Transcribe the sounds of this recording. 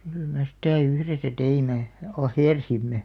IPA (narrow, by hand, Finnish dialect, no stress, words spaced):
kyl me sĭtæˑ yhresæ teime ɑheˑrsimːe